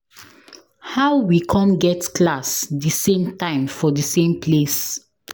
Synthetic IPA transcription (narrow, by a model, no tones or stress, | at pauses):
haʊwikʰãnɡɛtklasdəsẽmtãɪ̃mfɔdəsẽmpʰles